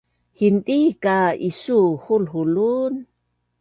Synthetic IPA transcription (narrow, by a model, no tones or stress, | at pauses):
hinɗikaisuhulɦulun